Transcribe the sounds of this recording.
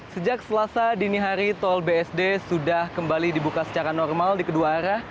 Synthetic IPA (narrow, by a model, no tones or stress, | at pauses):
səd͡ʒak̚səlasadiniɦaɾit̪ɔlbeɛsdesudahkəmbalidibukasə̥t͡ʃaɾanɔrmaldikəduaɾah